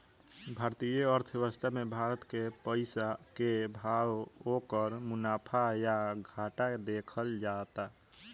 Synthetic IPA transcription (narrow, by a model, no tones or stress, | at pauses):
bʱaːɾt̪ijəəɾt̪ʰjeʋəst̪ʰamebʱaɾət̪kepəɪsakebʱawokəɾmunapʰajaɡʱaʈad̪ekʰəld͡ʒat̪a